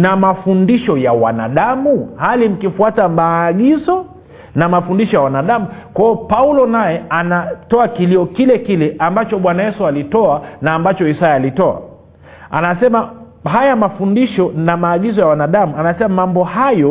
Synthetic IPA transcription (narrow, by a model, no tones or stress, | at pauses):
namafundiʃɔjawa̰na̰ɗamuhalim̩kifuatamaːɠizɔ | namafundiʃɔjawanaɗamukwaɔpaulɔnajɛanatɔakiliɔkilɛkilɛʔambat͡ʃɔɓwanajɛsualitɔanaːmbat͡ʃɔisajaːlitɔa̰ | a̰nasɛma | hajamafundiʃɔnamaːɠizɔjawanaɗamuanasɛmamambɔhajɔ